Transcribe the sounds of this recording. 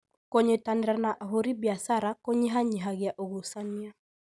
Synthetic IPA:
koɲetaneɾanaʔaɦoɾibjasaɾakoɲeɦaɲiɦaɣjaʔoɣosania

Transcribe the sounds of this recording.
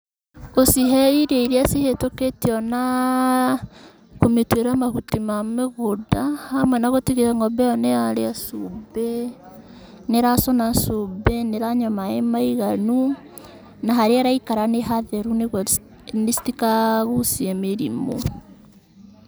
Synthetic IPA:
osiɦɛiɾeiɾeasehetoketiɔna | kometweɾamahutimameɣodahamwɛnaɣotiɣeɛŋɔbɛɔnɛaɾeasubɛ | neɾasonasobɛneɾaɲɔmaemaiɣanu | naɦaɾeaɾaikaɾaneɦaðɛɾuneɣ | nesi̥tikaɣusiɛmeɾḭmo̰

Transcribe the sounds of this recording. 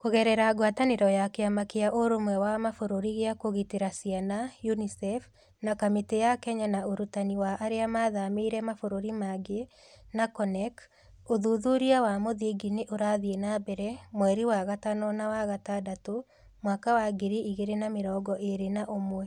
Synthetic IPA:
koɣɛɾɛɾaɡwataneɾɔjakeamakeaʔoɾomwɛwamafoɾoɾiɣeakoɣiteɾasianajunisɛf | nakametejakɛɲanaoɾutaniwaʔːɾeamaːðameiɾɛmafoɾoɾimaɡe | nakɔnɛk | oðuðuɾiawamoðiɡineʔoɾaðienabɛɾɛmwɛɾiwaɣatanɔnawaɣatadato | mwakawaɡeɾiʔiɣeɾenameɾɔːɡɔʔeɾenaʔomwɛ

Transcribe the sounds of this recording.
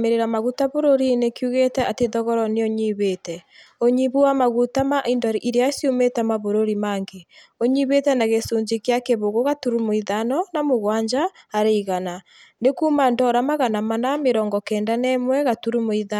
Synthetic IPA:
meɾeɾamaɣutaβoɾoɾinekjuɣetɛateðɔɣɔɾɔneoɲiβeːtɛoɲiβuwamaɣutamaʔindɔɾiʔiɾeasjometɛmaβoɾoɾimaːŋɡe | oɲiβetɛnaɣesuːɲd͡ʒikjakeβoɣoɣatuɾumoiðanɔnamoɣwaːɲd͡ʒaːɾeiɣana | nekuːmandɔɾamaɣanamanameɾɔːŋɡɔkɛːndanɛmwɛɣatuɾumoiða

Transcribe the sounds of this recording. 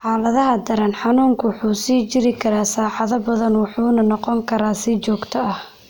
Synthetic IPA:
ħɑːlɐðɐɦɐd̪ɐɾɐnħɑnuːŋkʰʊwʊħuːsiːt͡ʃɪɾɪkʰɐɾaːsaːħɑðɐbɐðɐnwɑħuːnɐnɔqɔŋkʰɐɾaːsit͡ʃɔːɡt̪ʰɔɐh

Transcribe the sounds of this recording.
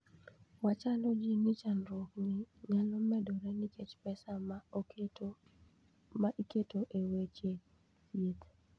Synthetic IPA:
wat͡ʃalɔd͡ʒinit͡ʃanɾokniɲalɔmɛdɔɾɛniket͡ʃpɛsam | maʔiketoʔewet͡ʃe | it̪

